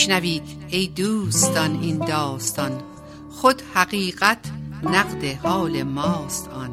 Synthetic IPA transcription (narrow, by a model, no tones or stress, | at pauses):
ʃnæviːd̪ | ejd̪uːst̪ɒnind̪ɒːst̪ɒn | xod̪hæɣiːɢæt̪ʰnæɢd̪ehɒːlemɒːst̪ɒːn